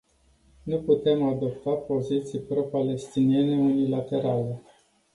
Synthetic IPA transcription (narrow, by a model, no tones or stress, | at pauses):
nuput̪e̞mad̪o̞p̚t̪apo̞zit̪sijpɾo̞pale̞st̪inie̞ne̞unilat̪e̞ɾale̞